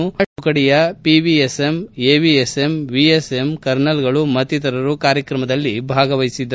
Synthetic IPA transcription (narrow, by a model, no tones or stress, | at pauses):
uukɐɽijɐpiʋiesemeːʋiesemʋiesemkɐɾnɐlɡɐɭumɐt̪it̪ɐɾɐɾukaːɾjɐkɾɐmɐd̪ɐlːibʱaːɡɐʋɐjsid̪ːɐ